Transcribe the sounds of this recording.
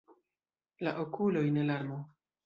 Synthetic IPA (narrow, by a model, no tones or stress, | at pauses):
la̰ʔokulo̞jne̞laɾmo